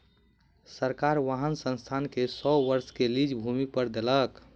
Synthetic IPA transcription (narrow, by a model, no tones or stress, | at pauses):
səɾkaɾʋaɦənsə̃nst̪ʰankesɔʋəɾskelid͡ʒbʱumipəɾd̪elək